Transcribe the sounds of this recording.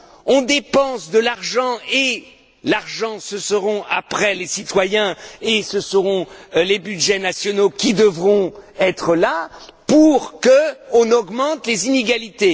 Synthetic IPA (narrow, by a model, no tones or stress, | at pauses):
ɔ̃d̪epɑ̃sd̪əlaʁʒɑ̃e | laʁʒɑ̃səsəʁɔ̃ʔa̰pχɛlesit̪wajɛ̃esəsəʁɔ̃lebyd̪ʒɛnasjɔnokʲid̪əvʁɔ̃ɛt̪χəlapuʁkəɔ̃nɔɡmɑ̃t̪lezineɡalit̪e